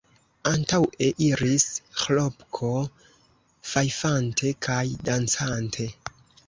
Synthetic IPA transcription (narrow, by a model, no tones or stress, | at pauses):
antawe̞ʔiɾisxlopkʰo̞ | fajfantʰe̞kʰajdant͡santʰe̞